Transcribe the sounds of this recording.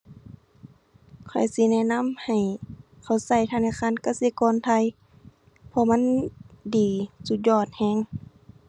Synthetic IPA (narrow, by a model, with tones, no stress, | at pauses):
kʰɔ˨˩jsi˧˦nɛ˧˨na˧˥˨mha˨˩j | kʰa˨˧˩wsa˧˩jt̪ʰaː˧˥naː˧˥˨kʰaː˧˥˨nka˧˩si˧˦kɔː˧˥˨nt̪ʰa˧˨j | pʰɔ˧ma˧˥˨ndiː˨˩su˧t̪̚jɔː˧˩t̪̚hɛː˧˥˨ŋ